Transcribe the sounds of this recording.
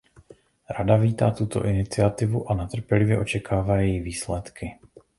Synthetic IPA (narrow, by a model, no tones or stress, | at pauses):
ɾadaviːt̪aːt̪ut̪o̞̰ʔɪnɪt͡sɪat̪ɪvuʔanat̪r̩pjɛlɪvjɛʔo̞t͡ʃɛkʰaːvaːjɛjiviːslɛt̪kʰɪ